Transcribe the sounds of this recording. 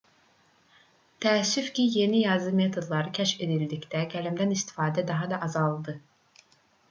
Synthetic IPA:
t̪ʰæːsːyfcʲije̞nijɑzɯme̞t̪ʰo̞d̪lˠɑɾɯcʲʰæʃe̞d̪ild̪icd̪æɟælæmd̪ænist̪ʰi̥fɑːd̪æd̪ɑɦɑd̪ɑʔɑzɑlˠd̪ɯ

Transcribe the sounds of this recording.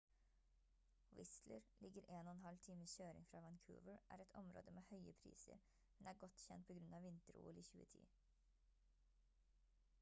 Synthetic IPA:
wɪ̰sləɾlʔɪɡəɾʔeːnoːɛnɦɑlt̪ʰiːməçøːɾɪ̰ŋfɾɑːʋɑnkʰʉ̰ːʋəɹʔæ̰ːɾɛt̪ʰɔmɾo̰ːd̪əmeːhœʏəpʰɾḭːsə̰ɾ | mɛnæːɾɡɔt̪çɛ̰nt̪̚pʰoːɡɾʉnɑːʋɪnt̪əɾṵːəliːçʉ̰ːət̪ʰḭː

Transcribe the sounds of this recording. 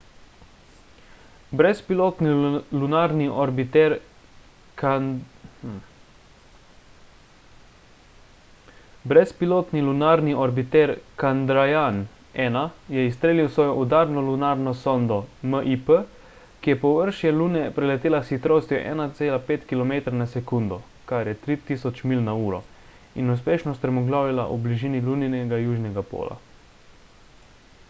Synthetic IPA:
bɾɛspiloːt̪nilunaːɾniʔɔɾbit̪ɛɾ | k | bɾɛspiloːt̪nilunaːɾniʔɔɾbit̪ɛɾkand̪ɾajan | ɛːnajɛist̪ɾeːliwsʋɔːjɔʔud̪aːɾnɔlunaːɾnɔsɔnd̪ɔməʔipə | kijɛpɔʋəɾʃjɛluːnɛpɾɛlɛt̪eːlasxit̪ɾoːst̪jɔ̰ʔɛ̰ːnat̪seːlapeːt̪kilɔmeːt̪ɾanasɛkund̪ɔ | kaɾjɛt̪ɾit̪iːsɔt͡ʃmilnauːɾɔ | inuspeːʃnɔst̪pɾɛmɔɡlaːwjila̰ʔubliʒiːniluninɛɡajuːʒnɛɡapo̰ːla̰

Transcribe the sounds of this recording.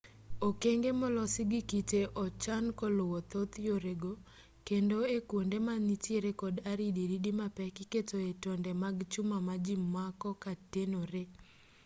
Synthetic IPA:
okeŋɡemɔlɔsɪɡikiteʔɔt͡ʃankɔlʊwɔt̪ot̪joɾeɡo | kendoekwondemanitɪɾekɔdaɾidiɾidimapɛkɪketoetɔndɛmaɡt͡ʃʊmamad͡ʒimːakɔkatenoɾe

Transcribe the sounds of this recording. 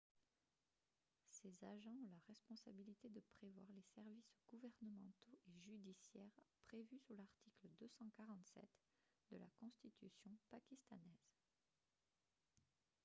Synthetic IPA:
sezaʒɑ̃ɔ̃ləʁɛspɔ̃sabilit̪ed̪əpχevwaʁlesɛʁvisɡ̥uvɛʁnəmɑ̃t̪oʔeʒyd̪isjɛʁpχevysyʁlaʁt̪ʰikləd̪øsɑ̃kaʁɑ̃t̪sɛ̰t̪ | d̪əla̰kɔ̃st̪it̪ʰysjɔ̃pakʲist̪anɛz̥

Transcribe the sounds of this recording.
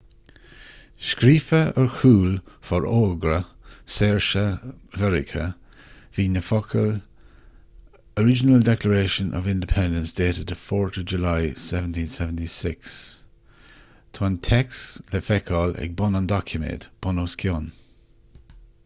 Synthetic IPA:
ʃkɾiːfəəɹxʰuːlfɔɹʔoːɡɾə | sɛːɹʃəvɛɹɪ̰kʰə | viːnəfɔkʰəl | əɹɪd͡ʒənəldɛkləɹeːʃənʔɔ̰vɪ̃ndɪpʰɛ̃ndə̃nsd̥eːtədəfɔːɹtʰəd͡ʒulajsɛvəntʰĩːnsɛvəntisɪks | tʰɔntʰɛksləfɛkʰɔlɛ̰ɡ̚bɔnəndɔkʰjəmḛːtb̥ɔnoːskʰjɔn

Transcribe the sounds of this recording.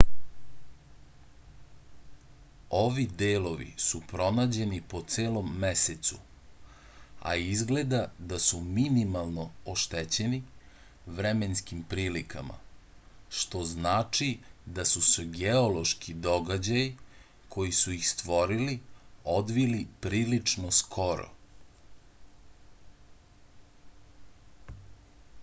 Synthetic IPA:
o̞ʋid̪eːlo̞ʋḭsupɾo̞naːd͡ʑe̞nipo̞t̪seːlˠo̞mːeset̪su | a̰izɡle̞d̪ad̪asuminimalˠno̞oʃt̪et͡ɕe̞ni | ʋɾeme̞nskimpɾiːlikama̰ | ʃt̪o̞znaːt͡ʃid̪asuseɡeolo̞ʃkid̪o̞ɡad͡ʑaji | kʰo̞jisuixst̪ʋo̞ɾilio̞d̪ʋilipɾiːlit͡ʂnoskʰo̞ɾo̰

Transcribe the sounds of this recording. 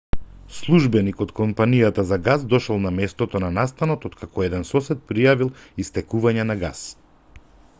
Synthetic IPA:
slˠuʒbɛnikɔt̪kɔmpanijat̪azaɡazd̪ɔʃɔlˠnamɛst̪ɔt̪ɔnanast̪anɔt̪ot̪kʰakʰɔɛd̪ɛnsɔsɛt̪̚pɾijavilˠist̪ɛkuvaɲɛnaɡa̰s

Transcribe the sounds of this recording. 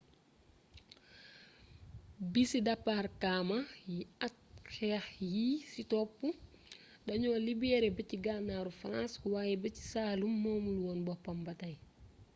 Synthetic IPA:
bisidɐpːarkaːmɐjiɐt̚xɛːxjisitɔpːu | dɐɲɔːlibɛɾɛbɐciɡaːnaːɾufɾanswaːjɛbɐci̥saːlumːɔːmuluwɔːnbɔpːɐmbɐtɐj

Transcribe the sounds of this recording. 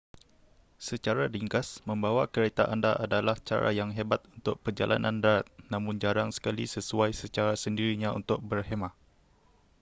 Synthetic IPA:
sət͡ʃaɾadiŋkasmə̃mbawakəɾet̪aʔandaʔadalaht͡ʃa̰ɾa̰jaŋɦebat̪unt̪ʊk̚pərd͡ʒa̰lʔa̰nʔã̰ndaɾat̪̚nãmʊ̃nd͡ʒaɾaŋsə̥kalḭsəsuajsət͡ʃaɾasəndiɾiɲãṵnt̪ʊk̚bərhemãʔ

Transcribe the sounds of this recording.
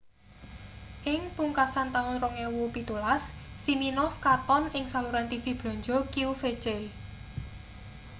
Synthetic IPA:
ʔɪŋpuŋkasant̪aŋʊnrɔŋewupit̪ulasːiminɔfkat̪ɔnɪŋsaluɾant̪ifib̥lɔ̤ɲd͡ʒɔkiufet͡ʃɛl

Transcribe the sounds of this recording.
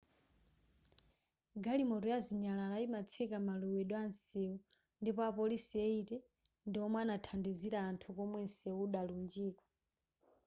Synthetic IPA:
ɡalimɔtɔjaziɲalalaimat͡sʰɛkamaluwɛɗwansɛu | ndipɔapɔlisiɛitɛ | ndiɔmwanatʰandiziɾaːntʰukɔmwɛnsɛuɗalund͡ʒiːkɔ̥

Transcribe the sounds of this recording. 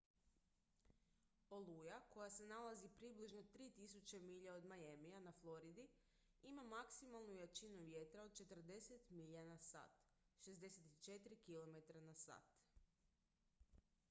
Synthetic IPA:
olˠujako̞jase̞nalazipɾibliʒno̞t̪ɾiːt̪isut͡ɕemiʎaod̪majemijanaflˠo̞ɾid̪i | imamaksimalˠnujat͡ʃinuʋjet̪ɾaod̪̚t͡ʃe̞t̪r̩d̪e̞set̪miʎanasa̰ːt̪ | ʃe̞zd̪e̞set̪i̥t͡ʃet̪ɾikilo̞me̞t̪ɾanasa̰ːt̪

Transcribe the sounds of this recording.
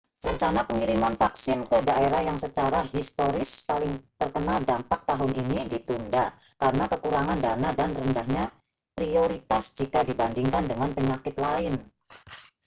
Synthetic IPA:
rəɲt͡ʃanapəŋiɾimanfaksɪnkədaeɾahjaŋsət͡ʃaɾaɦist̪oɾɪspalɪŋt̪ərkənaldampak̚t̪aɦʊninidit̪undakaɾənakəkuɾaŋandanadanrəndahɲa | pɾioɾit̪asd͡ʒikadibandiŋkandəŋanpəɲakɪt̪laɪn

